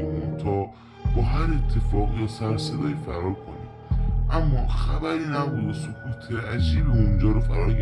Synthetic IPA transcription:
munt̪ʰɒː | b̥ɒːɦæɾet̪ʰːe̞fɒːɣiːɒsæɾsed̪ɒːjifæɾɒːlkʰonḭ | ʔæmːɒxæbæɾiːnæbuːd̪ɔsokʰut̪ʰeɾæd͡ʒiːbiond͡ʒɒːɾofæɾɒːɾɡ

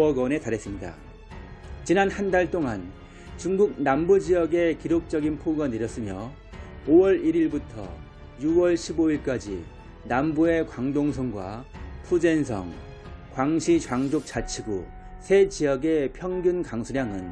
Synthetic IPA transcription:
ʌɡʌne̞taɾes͈ɯmɲida̰ | t͡ɕinanhandaɭt͈oŋan | t͡ɕuŋɡuɡ̚nambud͡ʑijʌɡe̞kiɾok̚t͡ɕ͈ʌɡinpʰoɡanɯɾjʌs͈ɯmjʌ | owʌɾiɾiɭbutʰʌ̰ | juwʌɭɕʰiboiɭk͈ad͡ʑḭ | nambue̞kwaŋdoŋsʰʌŋɡwa̰pʰud͡ʑe̞nsʰʌ̰ŋ | kwaŋɕʰit͡ɕwaŋd͡ʑok̚t͡ɕ͈at͡ɕʰiɡu | sʰe̞d͡ʑijʌɡe̞pʰjʌŋɡjunkaŋsʰuɾjaŋɯn

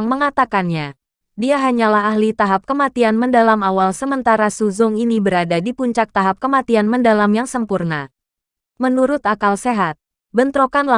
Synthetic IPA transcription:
ŋməŋat̪akanɲa | diaɦaɲalaɦahlit̪aɦap̚kəmat̪ianməndalamawalsəmənt̪aɾasuzʊŋinibəɾadadipuɲt͡ʃak̚t̪aɦap̚kəmat̪ianməndalamjaŋsəmpurna | mənuɾʊt̪akalseɦat̪̚ | bənt̪ɾokanla

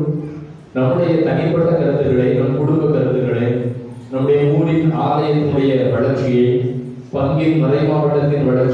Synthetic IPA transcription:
nɐmːɯɽɐjɐt̪ɐŋɪpːɐðɐkɐɾɐd̪ɯɾɣɐɭɐɪnɐmkʊɽʊmbɐkːɐɾɐnd̪ɯɣɐɭɐɪ | nɐmːɯɽɐjɐuːɾɪnaːlɐjɐt̪ːɯɽɐjɐʋɐɭɐɾt͡ʃːɪjɐɪ | pɐŋɡɪnmɐðɐɪmaːʋɐʈːɐt̪ːɪnʋɐɭɐɾt͡ʃ

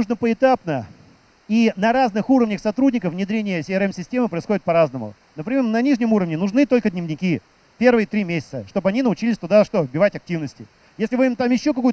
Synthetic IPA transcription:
nuʐnəpəɪt̪apnə | inɐɾaznɨxuɾəvnʲəxsɐt̪ɾudʲnʲɪkəfvnʲɪd̪ɾʲenʲɪjəsʲɪɛɾɛmsʲɪsʲtʲe̞mɨpɾəɪsxo̞dʲɪt̪̚pɐɾaznəmʊ̰ | nəpɾʲɪmʲeɾnɐnʲiʐnʲɪmuɾəvnʲɪnʊʐnɨt̪o̞lʲkədʲnʲɪvnʲɪkʲi | pʲe̞rvɨjət̪ɾʲimʲesʲɪ̥t̪səʂt̪o̞bɐnʲinəʊt͡ɕilʲɪsʲt̪ʊd̪aʂt̪ovbʲɪvatʲɐk̚tʲivnəsʲtʲɪ | jesʲlʲɪvɨmt̪amjɪɕːo̞kɐkujʊ

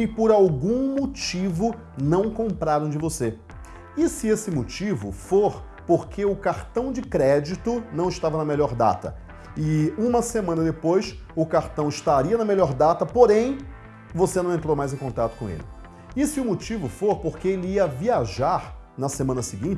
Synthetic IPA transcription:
ɪpoɾawɡũmot͡ʃivʊ | nɐ̃w̃kõpɾaɾɐ̃w̃d͡ʒɪvose | ɪsɪesɪmot͡ʃivʊ̰foɾ | poɾkʰeʊkaɾt̪ɐ̃w̃d͡ʒɪkɾɛd͡ʒit̪ʊnɐ̃w̃ɪʃt̪avɐnɐmeʎɔɾd̪a̰t̪ɐ̰ | ɪũmɐsemɐ̃nɐd̪epojsʊkaɾt̪ɐ̃w̃ɪʃt̪aɾiɐnɐmelɔɾd̪at̪ɐpoɾẽj̃ | vosenɐ̃ẽnt̪ɾowmajzẽj̃kõnt̪at̪ʊ̥kõḛlɪ | ɪsɪʊmot͡ʃivʊfoɾpoɾkeelɪiɐviaʒaɾ | nɐsemɐ̃nɐsiɡĩnt͡ʃɪ

